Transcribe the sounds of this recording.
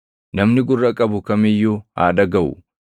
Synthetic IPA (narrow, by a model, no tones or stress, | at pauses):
nɐmnɪɡʊrːɐkʼɐbʊkɐmɪjːuha̰ːᶑɐɡɐʔʊ̰